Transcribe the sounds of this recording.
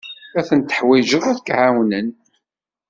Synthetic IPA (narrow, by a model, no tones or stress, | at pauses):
æθənt̪ə̥ħwɪd͡ʒəðˤæθəkʕawnən